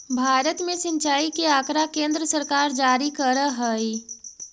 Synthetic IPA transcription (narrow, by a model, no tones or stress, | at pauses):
bʱaːɾət̪mẽsɪ̃nt͡ʃaːikeaːkɾakẽːnd̪ɾəsəɾkaːɾd͡ʒaːɾikəɾəɦəi